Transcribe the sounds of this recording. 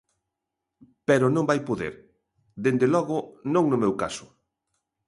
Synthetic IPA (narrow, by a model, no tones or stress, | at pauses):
pɛɾʊnõmbajpoðḛɾ | ðend̪elɔɣʊnõŋnʊmewkasʊ̥